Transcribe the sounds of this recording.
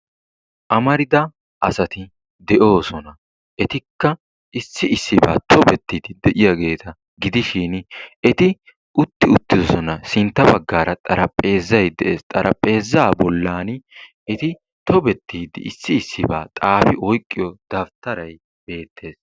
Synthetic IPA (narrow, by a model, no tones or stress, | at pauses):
ʔɐmɐɾɪd̪ɐ | ʔɐsɐt̪ɪ | d̪ɛʔo̞ːsɔnɐ | ʔɛt̪ɪkːɐ | ɪsːɪɪsːɪba̰ːt̪ʰɔbɛt̪ːiːd̪ɪd̪ɛʔɪjɐɡe̞ːt̪ʰɐ | ɡɪd̪ɪʃinɛt̪ɪ | ʔʊt̪ːɪʊt̪ːɪd̪ɔsɔnɐsɪnt̪ːɐbɐɡːaːɾɐt̪ʼɐɾɐpʼːe̞ːzːɐjd̪ɛʔe̞ːst̪ʼɐɾʔɐ̰pʼe̞ːzːaːbɔlːaːn | ɛt̪ɪ | t̪ɔbɛt̪ːiːd̪ɪ̰ɪsːɪːsːɪba̰ːt̪ʼaːfɪʔɔjkʼːɪjɔd̪̥ɐft̪ːɐɾɐj | b̥e̞ːt̪ʰːe̞ːs